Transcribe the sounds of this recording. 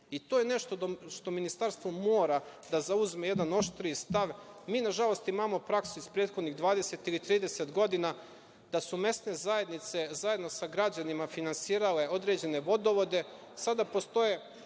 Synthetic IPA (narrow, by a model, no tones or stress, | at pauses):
it̪oːjene̞ʃt̪od̪oʃt̪o̞minist̪aɾst̪ʋomo̞ːɾad̪azauzmeje̞d̪ano̞ʃt̪ɾist̪aʋmiːnaʒalo̞st̪imamo̞pɾaksuispɾe̞ːt̪xo̞d̪niɣd̪ʋaːd̪e̞se̞t̪ilit̪ɾiːd̪e̞set̪ɡo̞d̪ina | d̪̥asume̞sne̞zaje̞d̪nit̪se̞zaje̞d̪no̞saɡɾad͡ʑanimafinansiːɾale̞od̪ɾe̞d͡ʑe̞ne̞ʋo̞d̪o̞ʋo̞d̪e̞ | sad̪apo̞st̪o̞je